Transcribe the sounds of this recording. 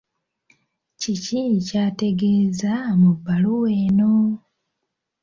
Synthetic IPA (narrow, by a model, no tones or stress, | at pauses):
cicicaːte̞ɡe̞ːzamubːaluweːno